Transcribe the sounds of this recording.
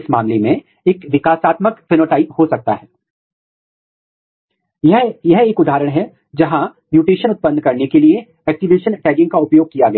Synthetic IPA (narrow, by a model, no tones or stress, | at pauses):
sma̰ːmlemẽ | eːkʋɪkaːsaːt̪məkfɪnoːʈaːɪphosɐk̚t̪a̰ɦɛː | jɦjɐɦeːkʊd̪ʱaːɾəɽ̃ɦɛ | d͡ʒɐɦã | mjuːʈeːʃənʊt̪̚pənd̪kɐɾnekelie | ɛːk̚ʈiʋeːʃənʈɛːɡɪ̃ŋɡ̚kaʊpjoːɡ̚kijaɡɐ